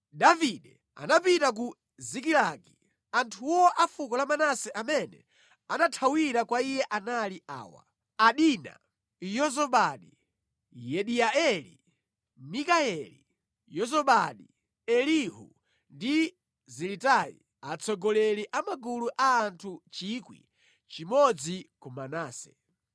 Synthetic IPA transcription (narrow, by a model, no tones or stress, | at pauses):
daviɗɛ | a̰napitak̬u | zik̬ilaki | antʰuwɔʔafukɔlamanasɛʔamɛnɛ̰ | anatʰawiɾakwaijɛʔanaliʔa̰ːwa̰ | aɗina̰ | jɔzɔɓaɗi | jɛɗiaɛlḭ | mikaɛlḭ | jɔzɔɓaɗi | ɛliɦṵ | ndi | zɛlitaḭ | at͡sʰɔɡɔlɛliʔamaɡuluʔaːntʰut͡ʃikwḭ | t͡ʃimɔd͡zikumanaːsɛ